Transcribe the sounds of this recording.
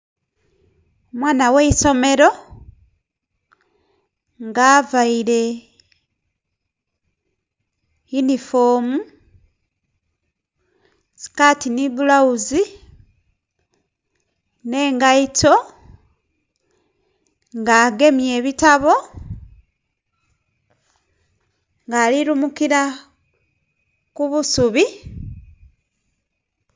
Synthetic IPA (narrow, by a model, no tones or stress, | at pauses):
omwaːnaweiso̞me̞ɾo̞ | ŋɡaːvaiɾe̞ | junifoːmu | si̥katinibulauzi | ne̞ːŋɡaito̞ | ŋɡaːɡe̞mje̞ːβitaβo̞ | ŋɡaːliɾumukiɾa | kuβusuβi